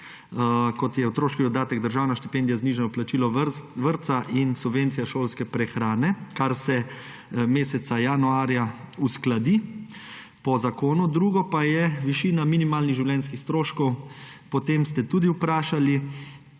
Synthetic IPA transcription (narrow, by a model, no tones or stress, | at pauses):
kɔt̪jɛwt̪ɾoːʃkid̪ɔd̪aːt̪ɛɡd̪əɾʒaːwnaʃt̪i̥pɛnd̪ijazniʒɛnɔplat͡ʃiːlɔʋəɾt̪saʔinsubʋeːnt̪sijaʃoːlskɛpɾɛxɾaːnɛkaɾsɛ | meːsɛt̪sajanuaːɾjausklad̪i | pɔzakoːnud̪ɾuːɡɔpajɛʋiʃiːnaminimaːlniɣʒiwljɛnskixst̪ɾoːʃkɔwpɔt̪emst̪ɛt̪uːd̪iupɾaːʃali